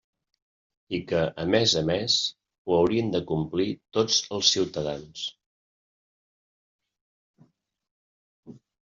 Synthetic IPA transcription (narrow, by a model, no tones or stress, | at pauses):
ikəʔəmezəmes | uəwɾiənd̪əkumplit̪od͡zəlˠsːiwt̪əðans